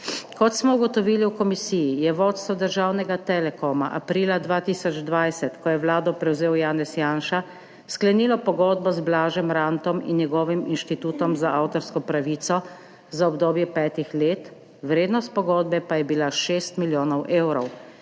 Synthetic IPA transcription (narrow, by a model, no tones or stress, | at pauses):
kɔt̪smɔuɡɔt̪ɔʋiːliwkɔmisijijɛʋoːt̪st̪ʋɔd̪əɾʒaːwnɛɡat̪ɛlɛkɔma̰ʔa̰pɾiːlad̪ʋaːt̪iːsɔd͡ʒd̪ʋajsɛt̪kɔjɛʋlaːd̪ɔpɾɛwzeːwjaːnɛsjaːnʃa | sklɛniːlɔpɔɡɔːd̪bɔzblaːʒɛmɾaːnt̪ɔmḭnːjɛɡɔːʋiminʃt̪it̪uːt̪ɔmzaʔaːwt̪ɔɾskɔpɾaʋiːt̪sɔ | zaɔbd̪oːbjɛpɛːt̪ixleːt̪ | wɾeːd̪nɔst̪̚pɔɡɔːd̪̚bɛpajɛbilaʃeːst̪miljoːnɔwʔeːwɾɔw